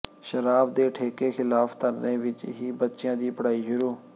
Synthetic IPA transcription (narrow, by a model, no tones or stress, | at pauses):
ʃəɾaːbd̪eːʈʰeːkeːxɪlaːfʰt̪əɾnẽːʋɪt͡ʃɦiːbət̪ːʃɪjãːd̪iːpəɽaːiːʃʊɾuː